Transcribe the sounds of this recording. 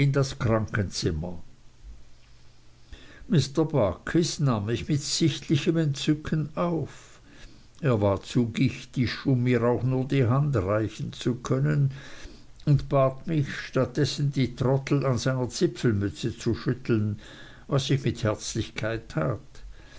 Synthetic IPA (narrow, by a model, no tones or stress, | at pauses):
ɪndaskʁ̥aŋkənt͡sɪmɐ | mɪstəɐbakʰɪsnaːmːɪçmɪtsɪçtʰlɪçəmɛntt͡sʏkʰənaʊf | eːɐvaːɐt͡suɡɪçtɪçʊmːiːʁaʊxnuːɐdiːɦandʁaɪçn̩t͡sukʰœnən | ʊndb̥aːtmɪçʃtat̚d̥ɛsn̩diːtʁɔtl̩anzaɪnɐt͡sɪpfl̩mʏt͡sət͡suʃʏtl̩n | vasːɪçmɪthɛɐt͡slɪçkʰaɪtʰːaːt